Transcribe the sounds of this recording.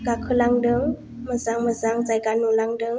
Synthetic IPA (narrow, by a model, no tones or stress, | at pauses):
ɡakʰɯlaŋdɯŋ | məzaŋməzaŋzajɡanulaŋdɯŋ